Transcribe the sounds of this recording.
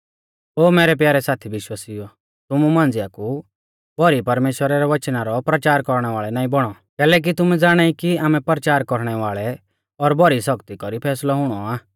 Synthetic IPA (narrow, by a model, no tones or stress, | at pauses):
oːmɛːɾɛp̬jaːɾɛsaːt̪ʰiʋɪʃwaːsiɔ | t̪ʊmumãːnd͡zɪjaku | bʱɔɾipɐɾmeːʃwəɾaɾɛʋɐt͡ʃnaɾɔpɾɐt͡ʃaːɾkɔɾɽ̃ɛʋaːɭɛnãːĩbɔɽ̃ɔ | kɛːlɛːk̬it̪ʊmɛ̃d͡zaːɽ̃aikiaːmɛ̃pɾət͡ʃaːɾkɔɾɽ̃ɛʋaːɭɛ | ɔɾbʱɔɾisɔkt̪ikɔɾipʰɛːslaɦʊɽ̃ɔaː